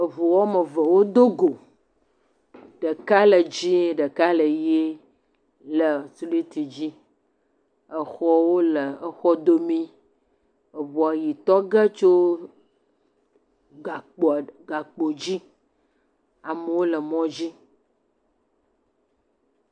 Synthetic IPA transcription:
ə˨vu˨wɔ˦mə˨və˨wo˦d̪o˦ɡo˨ | ɖə˨ka˦lə˨d͡ʑi˦ɖə˨ka˦lə˨je˦ | lə˨su˦li˦t̪i˨d͡ʑi˦ | ə˨xɔ˦wo˦lə˨ə˨xɔ˦d̪o˦mĩ˦ | ə˨vɔ˨a˨ji˨t̪ɔ˦ɡə˦t͡ʃo˦ | ɡa˨k͡po˨ɡa˨k͡po˨d͡ʑi˦ | a˨mə˨wo˦lə˨mɔ̃˦d͡ʑi˦

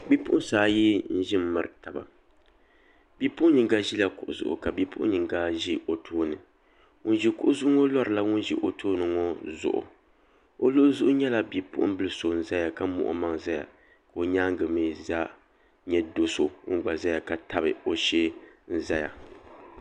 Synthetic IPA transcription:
bi˦pʊ˦ʔʊ̃˦saː˨ji˦n̩˦ʒi˦m̩˦ma˨ɾɨ˨ta˨ba̰˨ | bi˦pʊ˦ɲi˨ɡa˦ʒi˦la˦kʊ˨ʔʊ˨zʊ̰˨ʔʊ̰˨ka˨bi˦pʊ̰˦ʔʊ̰˦ɲɨ˨ŋɡa˦ʒi˦ʔo˨tʰoː˦nɨ˨ | ŋʊ˦n˦ʒi˦kʊ˦ʔʊ˦zʊ˦ŋo˦lɔ˦ɾɨ˨la˦ŋʊ˦n˦ʒḭ˨ʔo˨tʰoː˦nɨ˨ŋo˦zʊ̰˨ʔʊ̰˨ | o˦lʊ˦ʔzʊ˦ʔʊ˦ɲɛ˦la˦˨bi˦pʊ̰˦ʔʊ˦bɨ˦lɨ˦so˨n̩˦za˦ja˨ka˦mʊ̰˨ʔʊ̰˦ma˦ŋza˦ja̰˨ | ka˨o˨ɲaː˦ŋ˦ɡɨ˨mɨ˦za˦ | ɲɛ˦do˦so˨ŋ̩˦ɡ͡ba˨za˦ja˨ka˨ta˦bɨ˨o˨ʃɛ˦n̩˦za˦ja̰˨

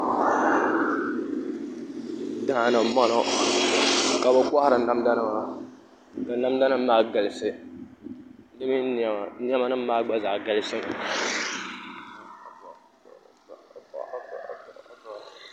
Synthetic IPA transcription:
da˦na˨˦mɔ˦no˦ | ka˨ba˦kʷa˦ha˦ɾɨ˨˦na˦mda˦na˦ma˨ | ka˨na˦mda˦nɨ˦m̩˦maː˦ɡa˨lɨ˦sɨ˦ | nɨ˦mi˦˨˦n˦ɛ˦ma˦nɨ˦m̩˦maː˦ɡ͡ba˦za˨ɡa˦lɨ˦sɨ˦m˨

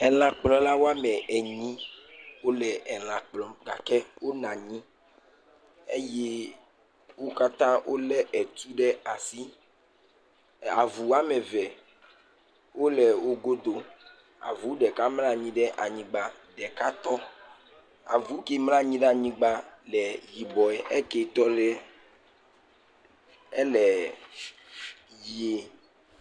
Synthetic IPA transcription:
ɛ˨l̃ã˨k͡plɔ̃˦la˦wo˦a˦mɛ˨ɛ˨ɲĩ˦wo˦lɛ˨ɛ˨l̃ã˨k͡plɔ̃˨ɡa̰˨kɛ˦wo˦nã˨ɲĩ˦ | e˦je˦ | wo˦ka˦t̪ã˦wʔo˦lɛ˦ʔɛ˨t̪u˦ɖɛ˦a˨si˦ | a˨vu˨a˦mɛ˨vɛ˨ | wo˦lɛ˨wo˦ɡo˦d̪o˦ | a̰˨vu˨˦ɖɛ˨ka˦mlã˦ɲĩ˦ɖɛ˦ʔa˨ɲĩ˨ɡ͡ba˨ | ɖɛ˨ka˦t̪ɔ˦ | a̰˨vu˨˦ke˦mlã˦ɲĩ˦ɖɛ˦a˨ɲĩ˦ɡ͡ba˦lɛ˨ji˨bɔ˨ɛ˨ʔɛ˦kɛ˨t̪ɔ˦lɛ˦ | ɛ˦lɛ˨ | ji˦e˨

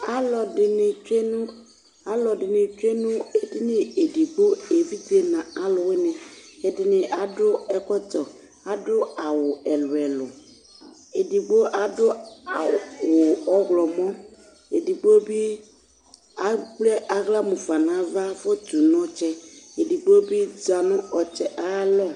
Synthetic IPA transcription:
a˦lɔ˨dɪ˨nɪ˨t͡ʃe˦nʊ˦ | a˨˦lɔ˨dɪ˨nɪ˨t͡ʃe˦nũ˦e˨dɪ˦nɪ˨e˨di˨ɡ͡bo˦e˨vi˦ti˦e˦nã˨a˦lʊ˨we˦nɪ˨e˨dɪ˨nɪ˨ʔa˨dʊ˦ɛ˦kɔ˦tɔ˨ | a˨dʊ˦a˨wʊ˨ɛ˨lʊ˨ɛ˨lʊ˨ | e˨di˨ɡ͡bo˦ʔa˨dʊ˦a˨wʊ˨ɔ˦ɣlɔ˨mɔ̃˦ | e˨di˨ɡ͡bo˦bi˦ | a˦k͡plɛ˦ʔa˦ɣla˦mũ˨fa˨nã˨˦va˦fo˦tu˨nɔ̃˦t͡ʃɛ˦e˨di˨ɡ͡bo˦bi˦d͡ʒa˨nʊ̃˦ɔ˨t͡ʃɛ˨ʔa˦lɔ˦

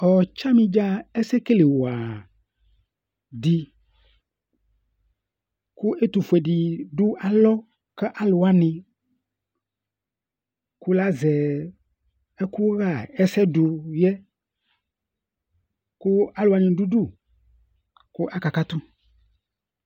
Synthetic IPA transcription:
ɔ˨t͡ʃa˦mĩ˦d͡ʒa˦ɛ˦sɛ˦ke˦le˨wo˨a˨ | di˨ | ku˦ʔe˦t̪u˨fu˨ɛ˨ɖi˨ɖu˦ʔa˨lɔ˦ | kɛ˦ʔa˦lʊ˨a˦nɪ̃˨ | ku˦la˦zɛ˨ | ɛ˦ku˦ɣa˦˨ɛ˦sɛ˦du˨jɛ˦ | kʊ˦a˦lʊ˨a˨nɪ̃˨ɖu˦ɖu˦˨ | kʊ˦ʔa˦ka˨ka˦t̪ʊ˦

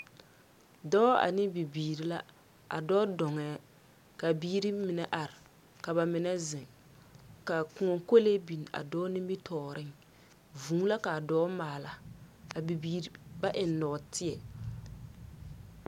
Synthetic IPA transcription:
dɔː˦a̰˨nɪ˦bi˨biː˨ɾi˨la˦ | a̰˨dɔː˦dɔ˨ŋɛ˨˦ | ka˨biː˦ɾi˦mɪ˨nɛ˨ʔa˨ɾɪ˨ | ka˨βa˨mɪ˨nɛ˦zɪ˨ŋ | ka˨ku˨ŋɔ˨ŋko˦le˦bi˨n˨a̰˨dɔː˦nɪ˦mbɪ˦tʰɔː˨ɾɪ˦ŋ | vuː˨˦la˦ka˨dɔː˦maː˨la˨a˨bi˨biː˨ɾi˨ba˦ʔɪ˨nnɔː˨tʰɪ˦ɛ˨

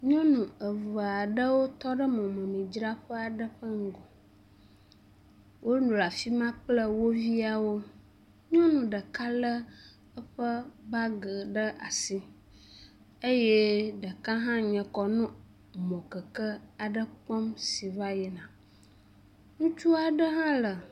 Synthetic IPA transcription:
ɲɔ̃˦nũ˨ə˨və˨a˨ɖə˦wo˦t̪ɔ˦ɖə˦mɔ̃˨mə̃˨mĩ˨d͡ʒɾa˦ɸə˦a˨ɖə˦ɸə˦ŋ̩˦ɡɔ˨ | wʔo˦nũ˨la˨fi˦mã˦plə˦wo˦vi˦a˨wo˦ | ɲɔ̃˦nũ˨ɖə˨ka˦lə˦ | ə˦ɸə˦ba˦ɡə˨ɖə˦ʔa̰˨si˦ | e˦je˦ɖə˨ka˦ɦã˦ɲɛ̃˨kɔ˨nũ˦ | mɔ̃˨kə˨kə˦a˨ɖə˦k͡pɔ˦msi˨va˦jɛ˨nã˨ | ŋũ˦t͡ʃu˦a˨ɖə˦ɦã˦lə˨

